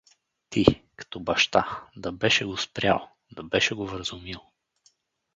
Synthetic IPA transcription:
t̪ikɐ̥t̪ɔbɐʃt̪ad̪ɐbɛʃɛɡospɾʲja̰lˠ | d̪ɐbɛʃɛɡovɾəzʊmilˠ

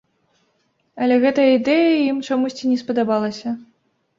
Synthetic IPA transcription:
ɐlʲɛɣɛt̪ɐjɐid̪ɛjɐjimt͡ʂamusʲt͡sʲinʲɛspɐd̪abalˠɐsʲɐ

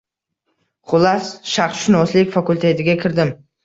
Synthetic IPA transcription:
χʊlˠasʃaχʃʊnɒslɪkʲfakʊlʲˠt̪ʰe̞t̪ʰɪɡʲakʲʰɪɾd̪ɪm

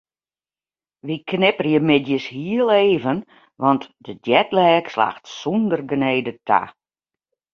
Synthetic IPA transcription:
ʋiknɪpərjəmɪdjəshiəlˠeːvən | ʋɔntdədjɛtlɛːksla̰ːxtsundərɡəneːdətʰa̰

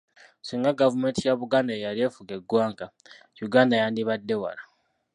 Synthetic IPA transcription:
siːŋɡaɡavume̞ːntijaβuɡaːndaejalie̞ːfuɡe̞ɡwaːŋɡa | juɡaːndajaːndiβadːe̞wa̰la

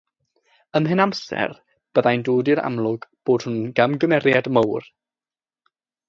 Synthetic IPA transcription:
əmɦɨnamsɛ̰r | b̥əðajndoːdɪɾa̰mlˠʊɡb̥oːd̥hunɡ̥amɡəmɛrjadmowr

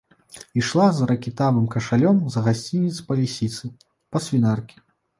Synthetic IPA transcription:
iʂlˠazɾɐkʲit̪avɨmkɐʂalʲɔmzɐɣasʲt͡sʲinʲit̪spɐlʲisʲit̪sɨ | pɐsʲvʲinarkʲi̥

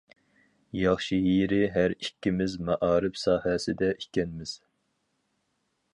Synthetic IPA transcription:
jɑχʃijiɾɪɦæɾikʲːimɪzmɛʔɑːɾɨpsɑːhɛsɪd̪ɛʔikʲɛnmɪz̥

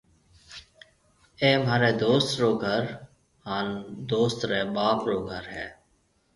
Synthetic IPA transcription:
eːmaːɾeːd̪oːst̪ɾoːɡʱəɾ | haːnd̪oːst̪ɾeːɓaːpɾoːɡʱəɾɦɛː

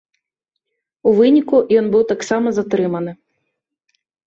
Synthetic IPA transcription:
uvɨnʲikujɔnbɨwt̪aksamɐzat̪ɾɨmɐnɨ

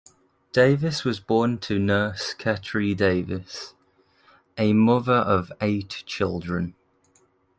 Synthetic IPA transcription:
d̥eɪvɪswɒzbɔːntʰənɜˑskʰɛtɹideɪvɪs | ʔəmʊðəɹʔəveɪʔt͡ʃʰɪlˠdɹə̃n

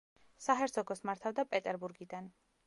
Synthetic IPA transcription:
saɦɛɾsʰɔɡɔsmaɾt̪ʰavd̪apʼɛt̪ʼɛɾbuɾɡid̪an

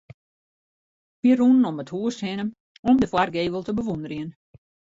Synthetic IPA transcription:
biərunənɔməthuəshɪnəm | ɔmdəfwarɡeːʋəlˠtəbəʋundərjiən

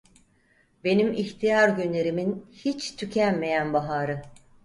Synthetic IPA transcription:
be̞nimiçt̪ʰijaɾɟynlʲe̞ɾiminhit͡ʃt̪ʰycʰænme̞jænbaɦaːɾɯ

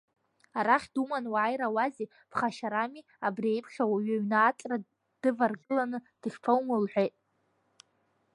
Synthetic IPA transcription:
aɾaχʲdumanwaajɾawaze | b̥χaʃaɾami | abriejpʰχʲawaɥaɥnaːtʼra | d̥ɨvarɡɨlanɨd̥ɨχʲpʰowmalħʷᶣejtʼ

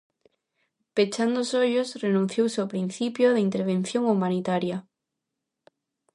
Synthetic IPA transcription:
pet͡ʃand̪osoʎosrenũn̟θjowsawpɾin̟θipjoðeint̪eɾβ̞ẽn̟θjoŋumãnit̪aɾja

